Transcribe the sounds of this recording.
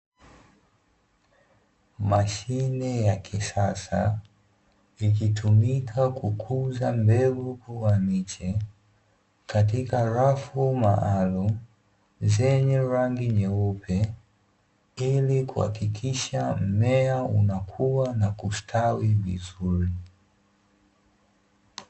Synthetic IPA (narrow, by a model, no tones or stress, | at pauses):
maʃinɛjakʰisasa̰ | ikitʰumikʰakʰukʰuzambɛɡukuwamit͡ʃɛ | kat̬ikaɾafuma̰ʔalum | zɛɲɛɾaŋɡiɲɛupʰɛ | ilikuha̰kikʰiʃam̩mɛaṵnakʰuwanakustʰawivḭzuɾi